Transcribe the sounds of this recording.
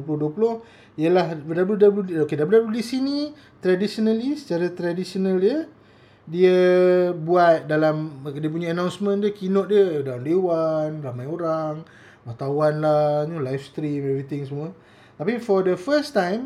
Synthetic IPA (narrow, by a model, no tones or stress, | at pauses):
pulʊhduəpulʊh | ijəlahdabljudabludokedabludabludisini | t̪ɾadisonəlisə̥t͡ʃaɾat̪ɾadisionəldiə | diəbuat̪̚dalamdiəp̬uɲaːnãwnsmə̃ndiəkinɔʔ̚diədawndewanramajoɾaŋ | mat̪awanlanulajfst̪ɾimɛvɾit̪ɪŋsəmuə | t̪apifɔdəfəst̪ãjm